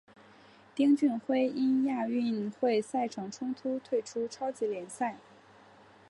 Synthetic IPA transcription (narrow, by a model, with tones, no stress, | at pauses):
t̪i˥ŋt͡ɕy˥˧nxwe˥ɪʔi˥nja˥˧y˥˧nxwe˥˧ɪsa˥˩ɪʈ͡ʂʰɑ˨˩ŋʈ͡ʂʰʊ˥ŋt̪ʰu˥t̪ʰwe˥˩ɪʈ͡ʂʰu˥ʈ͡ʂʰɑ˥ʊt͡ɕi˧˥ljɛ˧˥nsa˥˩ɪ